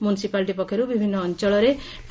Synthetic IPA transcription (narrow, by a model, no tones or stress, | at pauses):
munisipalʈ̬ipʌkʰːeɾubibʱinːʌːnt͡sʌɭʌɾe | ʈ